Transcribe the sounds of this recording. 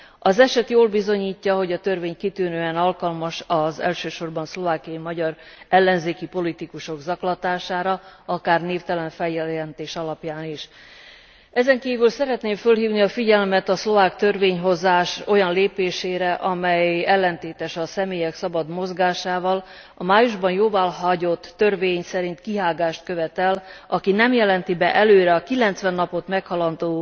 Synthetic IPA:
ɒzɛʃɛt̪joːlbizo̞ɲiːcːɒɦo̞ɟɒt̪ørveːɲkit̪yːnøːɛnɒlkɒlmɒʃɒzɛ̰lʃøːʃo̞rbɒnslo̞vaːkijɒjimɒɟɒrɛlːɛnzeːkipo̞lit̪ikuʃo̞ɡzɒklɒt̪aːʃaːɾɒɒkaːrneːft̪ɛlɛɱfɛjːɛɛnt̪eːʃɒlɒpjaːniʃ | ɛzɛŋkiːvylsɛɾɛt̪neːɱfølɦiːvniɒfiɟɛlmɛt̪ɒslo̞vaːkt̪ø̞rveːɲɦo̞zaːʃo̞jɒnleːpeːʃeːɾɛʔɒmɛjɛlːɛnt̪eːt̪ɛʃɒsɛmeːjɛksɒbɒd̪mo̞zɡaːʃaːvɒl | ɒmaːjuʒbɒnjoːvaːlɦɒɟo̞t̪ːø̞rveːɲsɛɾint̪kiɦaːɡaːʃt̪̚køvɛt̪ɛlɒkinɛmjɛlɛnt̪ibɛʔɛløːɾɛɒkilɛnt̪sʋɛnːɒpo̞t̪mɛkhɒlɒnd̪oː

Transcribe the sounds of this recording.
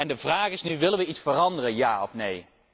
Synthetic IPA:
ɛndəvraːχɪsnyʋɪlənʋəitsfərɑndərənjaːɔfnej

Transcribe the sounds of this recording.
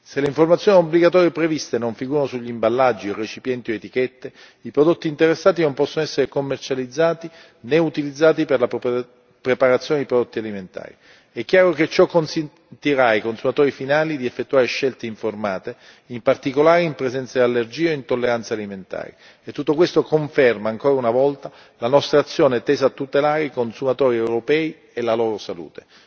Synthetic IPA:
selːeiɱformat̪sjoːniobliɡat̪ɔːɾjepɾevist̪enoɱfiɡuːɾanosuʎːimbalːad͡ʒːiret͡ʃipjɛnt̪ioet̪ikɛt̪ːe | ipɾod̪ot̪ːiːnt̪eɾesːaːt̪inompɔsːonoɛsːeɾekomːert͡ʃalid̪zːaːt̪i | neut̪ilid̪zːaːt̪iperla | pɾepaɾat̪sjoːned̪ipɾod̪ot̪ːialiment̪a̰ːɾi | ɛk̟ːjaːɾoket͡ʃːɔkːonsent̪iɾaikonsumat̪oːɾifinaːlid̪iefːet̪ːuaːɾeʃːelt̪eiɱformaːt̪e | impart̪ikolaːɾeimpɾezɛnt̪sad̪ialːerd͡ʒiːoint̪olːeɾant̪saliment̪a̰ːɾi | et̪ːut̪ːokwest̪okoɱfɛrmaːŋkoːɾaunavɔlt̪a | lanɔst̪ɾaːt̪sːjoːnet̪ːeːzat̪ːut̪elaːɾeikonsumat̪oːɾiɛwɾopɛːi | elalɔːɾosalṵːt̪e̥

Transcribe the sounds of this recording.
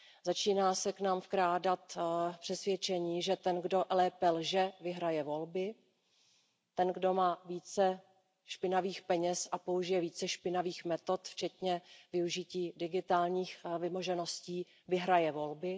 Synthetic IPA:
zat͡ʃiːnaːsɛknaːmfkɾaːdat̪pr̥ɛsvjɛt͡ʃɛɲiːʒɛt̪ɛnɡdo̞ʔlɛːpɛlʒɛvɪɦɾajɛvo̞lbɪ | t̪ɛnɡdo̞maːviːt͡sɛ | ʃpɪnaviːxpɛɲɛsʔapo̞uʒɪjɛviːt͡sɛʃpɪnaviːxmɛt̪o̞t̪ft͡ʃɛt̪ɲɛvɪuʒɪciːdɪɡɪt̪aːlɲiːxvɪmoʒɛno̞sciː | vɪɦɾajɛvo̞lbɪ

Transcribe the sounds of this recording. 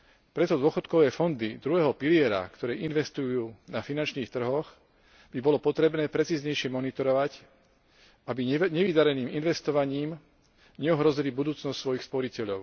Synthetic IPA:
pɾɛt̪ɔd̪ʊɔxɔt̪kɔʋɛːfɔnd̪id̪ɾuɦɛːɦɔpilɪɛɾa̰kt̪ɔɾɛːʔinʋɛst̪ujuːnafinant͡ʃniːxt̪r̩ɦɔx | bibɔlɔpɔt̪ɾɛbnɛːpɾɛt͡siːzɲɛjʃɪɛmɔnit̪ɔɾɔʋac | abiɲɛʋid̪aɾɛniːminʋɛst̪ɔʋaɲiːm | ɲɛɔɦɾɔzilibud̪uːt͡snɔscsʋɔjixspɔɾicɛʎɔʊ

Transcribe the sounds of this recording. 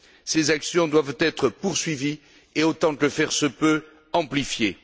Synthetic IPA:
sezaksjɔ̃d̪wavt̪ɛt̪χəpuʁsɥivi | eot̪ɑ̃kəfɛʁsəpø | ɑ̃plifje

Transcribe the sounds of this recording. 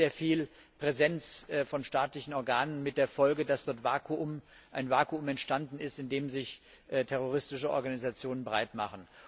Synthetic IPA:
eːɐfiːl | pʁ̥ɛzɛnt͡sfɔnʃtaːtlɪçn̩ɔɐɡaːnənmɪt̚d̥eːɐfɔlɡədasd̥ɔɐtv̥aːkʰuʊm | ʔaɪnvaːkuʊmɛntʃtandn̩ɪstɪndeːmzɪçʔtʰɛʁ̞oʁ̞ɪstɪʃəʔɔ̰ɐɡanizat͡sjoːnənbəʁaɪtma̰χən̩

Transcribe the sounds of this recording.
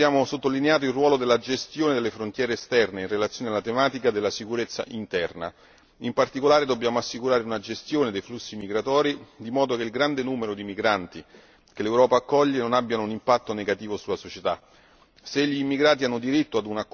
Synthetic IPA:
jaːmosot̪ːolineaːt̪̬oilrwɔːlod̪elːad͡ʒest̪joːned̪elːefɾont̪jɛːɾeːst̪ɛrneinrelat̪sːjoːnealːat̪emaːt̪ikad̪elːasikuɾet̪sːa̰ʔint̪ɛrna̰ | impart̪ikolaːɾed̪obːjaːmoasːikuɾaːɾeunad͡ʒest̪joːned̪ejflusːimiɡɾat̪ɔːɾid̪imɔːd̪okeilɡɾand̪enuːmeɾod̪imiɡɾant̪i | kelewɾɔːpaːkːɔʎːenonabːjanounimpat̪ːoneɡat̪iːvosulasot͡ʃet̪a | seʎːiːmːiɡɾaːt̪ianːod̪iɾit̪ːoad̪unakː

